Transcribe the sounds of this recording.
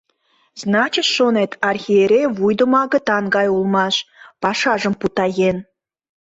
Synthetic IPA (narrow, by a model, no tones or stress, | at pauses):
znɑt͡ɕət̪ʃonet̪ɑrxʲieɾʲejβujd̪ə̆mɑɣə̆t̪ɑŋɡɑjulmɑʃpɑʃɑʒəmput̪ɑjen